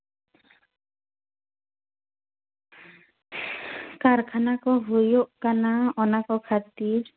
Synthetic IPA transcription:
kaɾkʰanakɔɦojoʔkanaɔnakɔkʰat̪iɾ

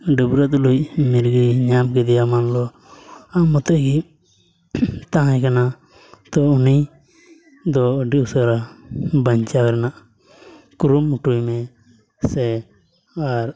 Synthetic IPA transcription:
ɖubɾət̪̬̚lujmiɾɡiɲamkɛd̪ɛjamanlɔ | amːɔt̪ɔʔɡi | t̪ãɦãjkana | t̪ɔuni | d̪ɔɖisəɾabaɲt͡ʃakɛɾɛnaʔ | kuɾumuʈujmɛ | sɛ | aɾ

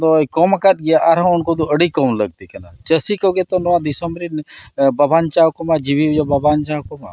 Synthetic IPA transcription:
d̪ɔjkɔmakat̪̚ɡijaʔaɾɦãunkod̪uəɽikɔwnləɡ̚t̪ikənat͡ʃəsikəɡet̪ɔnɔʋad̪isɔmɾinbɐbʱant͡ʃawkɔmad͡ʒibid͡ʒɔbəbʱant͡ʃawkɔma̰

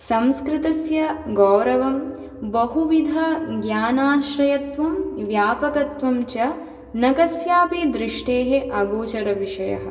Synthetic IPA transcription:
sɐmskɾɪt̪ɐsjɐɡɔːɾɐʋɐm | bɐɦuʋid̪ʱɐɡjaːnaːʃɾɐjɐt̪ʋɐmʋjaːpɐkɐt̪ʋɐmt͡ʃɐ | nɐkɐsjaːpid̪ɾiʂʈeːɦeʔɐɡoːt͡ʃɐɾɐʋiʂɐjɐ̰ɦɐ̰̆

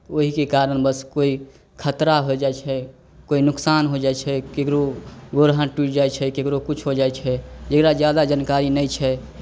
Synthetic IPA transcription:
oɦikekaɾənbəskoi | kʰət̪ɾaɦod͡ʒaɛt͡ʃʰɛ | koinʊksanɦod͡ʒaɛt͡ʃʰɛkekɾoɡoɾɦaʈuʈd͡ʒaet͡ʃʰɛkekɾokut͡ʃʰɦod͡ʒaet͡ʃʰɛd͡ʒekɾad͡ʒjad̪ad͡ʒənkaɾinəjt͡ʃʰɛ

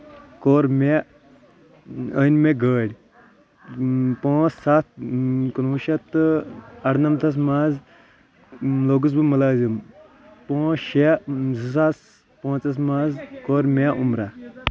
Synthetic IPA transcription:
koːɾme | ənmeɡəːɽʲ | põːssat̪̚kɐnuːʃɐt̪ | ɐɽnɐmt̪ʰɐs̬maːz | loɡus̬bɨmɐlaːzim | põːʃezis̬as | põːt͡sɐs̬maːzkoːɾmʲeʔumɾa

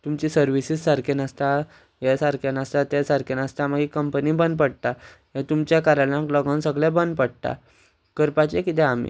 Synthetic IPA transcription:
t̪umt͡ɕisəɾʋisissaɾkʰenast̪a | jɛsaɾkʰanast̪at̪esaɾkʰenast̪aməɡiːkəmpənibənd̪̚pəɽt̪a | ɦẽt̪umt͡ɕjakaɾalãklɔɡãnsəɡlɛ̃bənd̪̚pəɽt̪a̰ | kəɾpat͡ɕekit̪ɛ̃amḭ

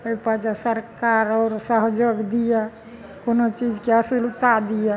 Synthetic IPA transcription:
əpad͡ʒasəɾkaɾɔːɾsəɦd͡ʒoɡd̪ija | konot͡ʃid͡ʒkeəsilut̪ad̪ija

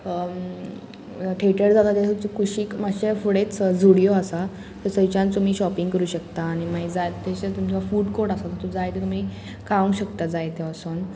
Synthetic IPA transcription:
ʈʰeʈəɾd͡zat̪at̪et̪ut͡ɕikʰuɕiːkmaɕefuɽet͡sd͡zʱuɽijoasa | t̪əsət͡ɕãnt͡sum̤iːɕɔpiŋɡkəɾuːɕəkt̪aːɽ̃imaid͡zajt̪eɕet̪umd͡ʑafuːʈkoɾɽasat̪ət̪ud͡zajt̪et̪um̤iː | kaʋə̃ŋɡɕəkt̪ad͡zajt̪eəson

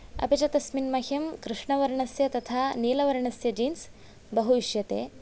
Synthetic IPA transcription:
ɐ̰bit͡ʃɐt̪ɐsminmɐɦjɐmkɾɨʂɳɐʋɐɾɐɳɐsjɐt̪ɐt̪ʰaːniːlɐʋɐɾɐɳɐsjɐd͡ʒiːns | bɐɦuʋiʃjɐt̪ḛː

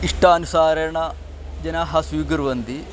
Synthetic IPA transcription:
iʂʈaːnusaːɾɐɾɐɳɐ | d͡ʒɐnaɦɐsʋiːɡɐɾʋɐnd̪i

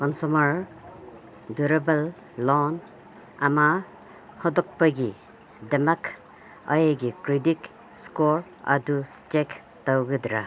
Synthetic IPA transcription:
kɔnsumaɾ | duɾebalː | ɔn | ama | hɔdɔk̚paɡi | demak | ɐjaɡikɾidik | skɔɾ | a̰du | t͡ʃek | tawɡɯdɾa

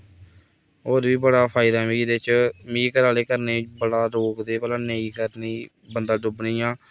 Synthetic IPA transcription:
ɦoːɾʋiːbəɽaːpʰaːɪd̪aːmiːɾɪt͡ʃmiːkəɾaːleːkəɾneːbəɽaːɾoːkd̪eːpɛːlãːneːiːkəɾniː | bənd̪aːɖʊbniːaː

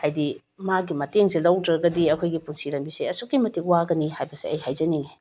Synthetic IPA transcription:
hajdi | maɡimɐteŋsilɐwdɾɐɡɐdiɐkʰojɡipunsiɾɐmbisiɐsukːimɐtik̚waɡɐnihajbɐsiɐ̰jhajzɐni

